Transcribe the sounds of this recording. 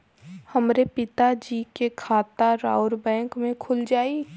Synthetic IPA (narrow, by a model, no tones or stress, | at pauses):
hɐmɾepɪt̪ad͡ʒiːkekʰaːt̪aɾaːʊɾbɛ̃ːŋkmẽkʰʊld͡ʒaːi